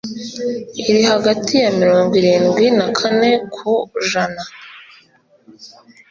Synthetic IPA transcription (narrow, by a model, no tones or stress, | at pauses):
iɾiɦaɡatʰijamiɾoːŋɡwiɾiːŋɡwinakʰane̞kʰuʒana